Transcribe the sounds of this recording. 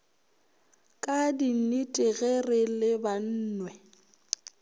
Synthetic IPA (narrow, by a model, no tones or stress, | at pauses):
kʼadinitʼɪɣɛrɪlɪban̩ːnwɛ